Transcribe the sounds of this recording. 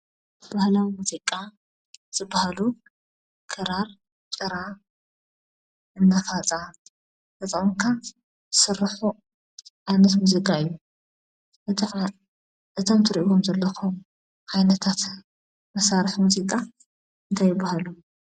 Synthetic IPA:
b̥ahlawimuzikʼːa | z̥ɨbːahalu | kʰɨɾaɾ | t͡sʼɨɾa | ɨnːafat͡sʼa | t̪ɐt̪ʼmkʰa | sɨrːħu | ʔajnɐt̪muzikʼaɨjːu | ʔɨt̪ʰomt̪ʰɨɾiʔiwomzɐlːɐxo | hajnɐt̪ʰat̪ | mɐsaɾħmuzikʼa | ɨnt̪ʰajːɪbːahalu

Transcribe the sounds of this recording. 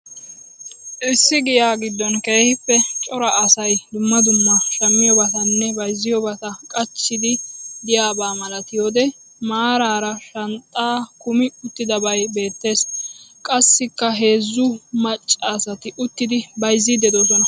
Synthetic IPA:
ʔɪsːɪɡɪjaːɡɪd̪ːɔnke̞ːhɪpːɛt͡ʃʼɔɾɐʔɐsɐjd̪ʊmːɐd̪ʊmːɐʃɐmːɪjɔbɐt̪ɐnːɛbɐjzːɪjɔbɐt̪ɐkʼɐt͡ʃːɪd̪ɪd̪ɪjaːbaːmɐlɐt̪ɪjoːd̪ɛ | maːɾaːɾɐʃɐnt̪ʼːaːkʊmɪʊt̪ːɪd̪ɐbɐjbe̞ːt̪ːe̞ːskʼɐsːɪkːɐɦe̞ːzːʊmɐt͡ʃʼːaːsɐt̪ɪʔʊt̪ːɪd̪ɪbɐjzːɪd̪ɛd̪osɔnɐ

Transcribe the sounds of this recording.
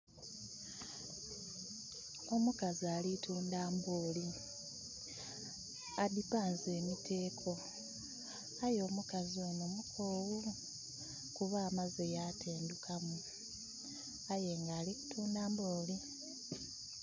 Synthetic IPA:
o̞mukazialitʰuːndaːmbo̞ːli | adipaːnze̞ːmitʰe̞ːkʰo̞ | ajo̞ːmukazio̞no̞mukʰoːwu | kuβaːmazejatʰeːndukʰamu | aje̞ŋɡaːliku̥tʰuːndaːmboːli

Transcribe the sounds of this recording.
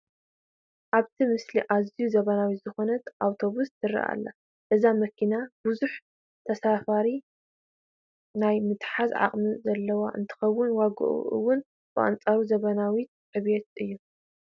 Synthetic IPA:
ʔaβt̪ʰimɨsliʔazijuzɐβɐnawit̪z̥ɨxo̞nɐt̪ʔawt̪ʰo̞βuszɨɾḭʔa̰lːa̰ | ʔɨzamɐkʰinabuzuħ | t̪ʰɐsafaɾi | najmɨt̪ħazʕa̰χʼmizɐlːɐwa̰ʔɨ̰nt̪ʰɨ̥xɐwːʊnwaɡɨ̰ʔṵʔɨ̰wːʊn | b̥ɨʔa̰nt͡sʼaɾuzɐβɐnawit̪̚ħɨβet̪̚ɨjːu

